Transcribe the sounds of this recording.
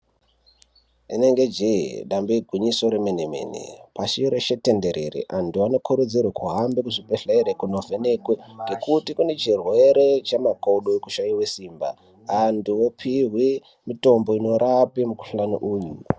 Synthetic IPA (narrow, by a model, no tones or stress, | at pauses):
ine̞ŋɡed͡ʒeḭɗambeiɡʱwiɲiso̞ɾemeneme̞̰ːnḭpaʃiɾeʃete̞nde̞ɾe̞̰ɾḛʔanduano̞kʰuɾud͡zirwekʰuɦambekuʐipeɬeɾekunovʱe̞nekweŋɡe̞kutikune̞t͡ʃirwe̞ɾe̞t͡ʃamakoɗoeku̥ʃaiwe̞siːmba̰ː | nduwopʰiɦwi | mito̞mbo̞ino̞ɾapimuku̥ɬanuʔuːju